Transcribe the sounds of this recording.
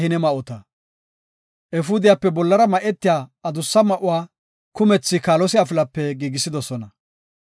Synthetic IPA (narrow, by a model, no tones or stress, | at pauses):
hɪnɛmɐʔɔt̪ɐ | ʔɛfʊd̪ɪjapːɛbɔlːɐɾɐmɐʔɛt̪ːɪjaːɐd̪ʊsːɐmɐʔʊwaː | kʊmɛt͡sːɪkaːlɔsɪɐfɪlɐpːɛɡiːɡɪsːɪd̪ɔsɔnɐ